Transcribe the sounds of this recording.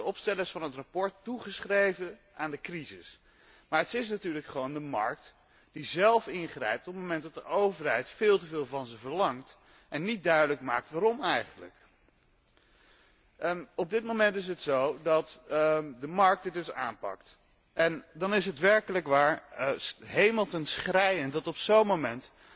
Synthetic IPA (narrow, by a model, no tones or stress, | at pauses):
dəɔpstɛləsfɑnɦətrapɔɹtːuχəsχrejvən | aːndəkrizɪs | maːɹɦətɪs̬natyːɹləkχəʋowndəmɑ̰ɹk̚t | d̥izɛlˠfɪnχrɛ̰jp̚tɔpmomɛnt̚dɑt̚dəʔowvəɹɦɛjtfɪːlˠtəvɪːlˠvɑnzəvəɹlɑŋt | ʔɛnːit̚dœɥdələkma̰ːk̚tʋaːɾɔmɛjχənlə̰k | ɔb̚dɪt̚momɛntɪs̬ətsowdɑtdəmɑɹk̚dɪdɵsa̰ːmpɑ̰kt | ʔɛndɑnɪs̬ɦətʋɛɹkələkʋaːɹ | ɦejməlˠtənsχrɛjəntdɑtɔpsownmomɛnt